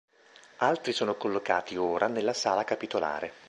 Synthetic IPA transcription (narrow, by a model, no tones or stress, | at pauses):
alt̪ɾisoːnokolːoka̰ːt̪ioːɾʔanelːasaːlakapit̪ola̰ːɾe